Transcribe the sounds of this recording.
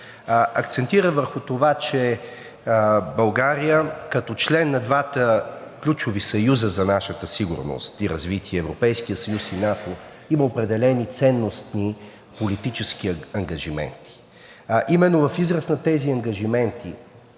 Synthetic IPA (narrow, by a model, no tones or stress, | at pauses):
ʔɐkt̪sɛnt̪iɾəvəɾxʊt̪ovat͡ʃɛ | bɐlˠɡaɾijəkɐt̪ɔt͡ʃlɛnːɐd̪vat̪əklʲut͡ʃovisɐjuzəzɐnaʃət̪əsiɡṵɾno̰st̪iɾɐzvit̪ʰiɛːvɾopɛjskijəsɐjusinat̪o | iməopɾɛd̪ɛlɛnit̪sɛnːost̪ni | polit̪it͡ʃɛskiɐŋɡɐʒimɛ̰nt̪i̥ | ʔimɛnːovɐfizɾəsnɐt̪ɛziɐŋɡɐʒimɛnt̪ʰḭ